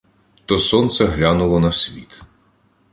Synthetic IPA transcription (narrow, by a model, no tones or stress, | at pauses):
t̪ɔsɔnt̪sɛɦlʲanʊlˠɔnɐsʲʋʲḭt̪